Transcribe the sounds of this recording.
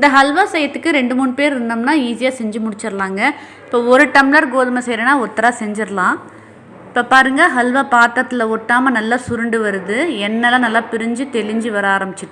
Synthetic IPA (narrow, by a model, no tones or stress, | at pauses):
ɪnd̪ɐɦɐlʋaːsɛjɐt̪ːɯkːɯɾɛɳɖɯmuːnpeːɾɾɯnd̪ɐmnaːiːsɪjaːsɛɲd͡ʒɯmʊɽɪt͡ʃːɪɾɐlaːŋɡɐ | ɪpːoːɔɾɯʈɐmlɐɾɡoːðɐmɐsɛjɾɐnaːɔt̪ːɐɾaːsɛɲd͡ʒɪɾɐlãː | ɪpːoːpaːɾɯŋɡɐɦɐlʋapaːt̪ːɐt̪ːɪlɐɔʈːaːmɐnɐlːaːsʊɾɯɳɖɯʋɐɾɯðɯɛnːɛlãːnɐlːaːpɪɾɪɲd͡ʒɯt̪ɛlɪɲd͡ʒɯʋɐɾaːɾɐmbɪt͡ʃːɪʈːɯ̥